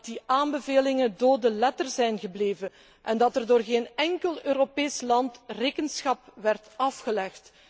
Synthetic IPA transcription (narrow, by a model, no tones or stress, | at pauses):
tdiʔaːnbəveːlɪŋəndoːdəlɛtərzɛjnɣəbleːvə | ʔɛndɑtɛrdoːrɣeːnɛŋkəlˠøːɾopeːslɑntreːkənsxɑpʋɛrtɑfxəlɛxt